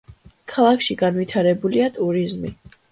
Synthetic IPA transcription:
kʰalˠakʰʃiɡanvit̪ʰaɾɛbuliat̪ʼuɾizmi

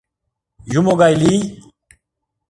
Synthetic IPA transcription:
jumoɡajli

